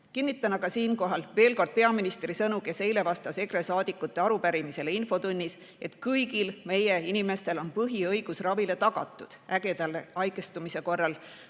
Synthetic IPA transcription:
kinːit̪ːˑɑnɑɡɑsiːnko̞ɦɑlve̞ːlko̞rd̪̥̚pe̞ɑminist̪ɾisɤnuke̞se̞jle̞vɑst̪ɑse̞kɾe̞sɑːd̪̥ikːˑut̪ːˑe̞ɑɾupæɾimise̞leinfo̞t̪unʲːis | e̞t̪kɤjɡilme̞jeinime̞st̪e̞lo̞npɤɦiɤjɡ̥usrɑvile̞t̪ɑɡ̥ɑ̰t̪ːˑud̪̥æɡ̥e̞d̪̥ɑlːeɑjɡest̪umise̞ko̞rːɑl

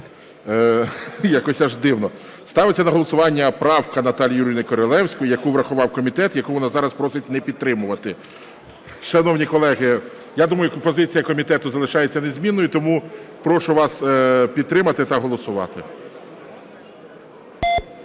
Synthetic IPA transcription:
jakɔsʲɐʒd̪ɪwnɔ | st̪ɑʋɪt͡sʲːɐnɐɦɔlˠɔsʊʋɑnʲːɐpɾɑwkɐnɐt̪ɑlʲijuɾʲijnɪkɔɾɔlˠɛwsʲkɔjjɐkuʋɾɐxʊʋɑwkɔmʲit̪ɛt̪jɐkuʋɔnazɑɾɐspɾɔsɪt̚ʲnɛpʲid̪̚t̪ːɾɪmʊʋɐt̪ɪ | ʃɐnɔwnʲikɔlˠɛɦɪ | jad̪umɐjʊpɔzɪt͡sʲijɐkɔmʲit̪ɛt̪ʊzɐlˠɪʃɑjet͡sʲːɐnezʲmʲinːɔjit̪ɔmupɾɔʃʊʋɑspʲid̪t̪ɾɪmɐt̪ɪt̪ɐɦɔlˠɔsʊʋɑ̰t̪ɪ

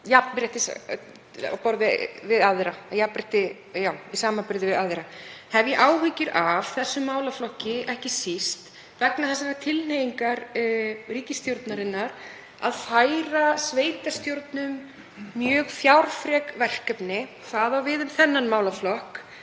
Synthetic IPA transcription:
jappɾɛht̪ɪs | pɔɾðɪvɪðaðɾajapɾɪht̪ɪ | jawisaːmapɪɾðɪvɪðaðɪɾahɛvjɛʔaːwɦʏcɪɾav̥θɛsːʏmːaːwlaflɔhcɪʔɛhcɪsist̪ | vɛknaθɛsanat̪ʰɪlneːjiŋkaɾriːcɪst̪jowɾt̪naɾɪnːaɾ | a̰ðfaːjɾasveːjt̪ast̪jowɾt̪nʏmː | jœːɣfjawɾ̥fɾɛkvɛl̥kœpnɪ | θaðawvɪðʏmθɛnːanmaːwlaflɔhk

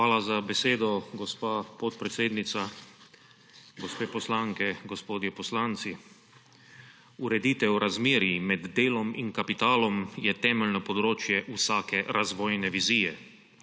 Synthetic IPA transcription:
aːlazabɛseːd̪ɔɡɔspaːpɔt̪̚pɾɛt̪seːd̪nit̪sa | ɡɔspeːpɔslaːŋkɛɡɔspoːd̪jɛpɔslaːnt̪si | uɾɛd̪iːt̪ɛwɾazmeːɾjimɛd̪ːeːlɔmḭnkapit̪aːlɔmjɛt̪ɛːmɛlnɔpɔd̪ɾoːt͡ʃjɛʔusaːkɛɾazʋɔːjnɛʋiziːjɛ

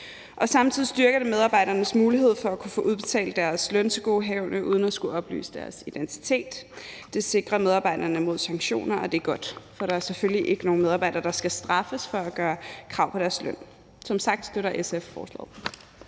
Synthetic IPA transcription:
ʔɒ̽sɑ̈mt͡sʰiðˠisd̥yɐɡ̥ɐɾ̥e̝með̞ˠɑ̈b̥ɑ̈ɪ̰ɾ̥ɐnəsmuːliɦe̝ð̞̰ˠfɒ̽ækʰufɔ̰ːʔuð̞ˠb̥e̝t͡sʰɛ̰ːld̥æɐslœnt͡sʰe̝ɡ̥o̝̰ːɦɛʊnəʔuð̞ˠən̩æsɡ̥uɒ̽b̥ly̰ːsəd̥æɐsid̥ent͡sʰi̥t͡sʰe̝̰ːd̥ːe̝se̝ɡ̥ʁɐmeð̞ˠɑ̈ːb̥ɑ̈ɪ̰d̥ɐnəmo̝ð̞̰ˠsɑ̈ŋɕo̝̰ːnɐɒ̽d̥e̝ɡ̥ɒ̽d̥fɒ̽ɾ̥ɑ̈æɐseføljiʔe̝ɡ̥əno̝ːnmeð̞ˠɑb̥ɑ̈ɪd̥ɐd̥ɑ̈sɡ̥æsd̥ʁɑ̈fəsfɒ̽æɡ̥ɶːɐkʰʁɑ̈ʊpʰɒ̽ɾ̥æɐslœn̰ | sɒ̽msɑ̈ɡ̥̚d̥sd̥øɾɐʔesefːɒ̰ːslɛ̰ːð̩ˠ

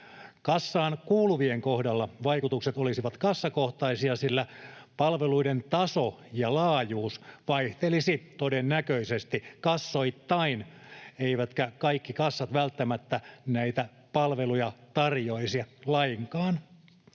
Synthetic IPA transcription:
kɑsːɑːnkuːluʋieŋkohdɑlːɑʋɑikut̪ukset̪olisiʋɑt̪kɑsːɑkoht̪ɑisiɑsilːæpɑlʋeluident̪ɑso | jɑlɑːjuːsʋɑiht̪elisit̪odenːækøisest̪ikɑsːoit̪ːɑineiʋæt̪kækɑikːikɑsːɑt̪ʋælt̪ːæmæt̪ːænæit̪æ | pɑlʋelujɑt̪ɑrjoisiɑlɑiŋkɑːn

